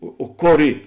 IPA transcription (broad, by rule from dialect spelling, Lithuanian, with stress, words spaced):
oː oː ˈkoːr ˈiː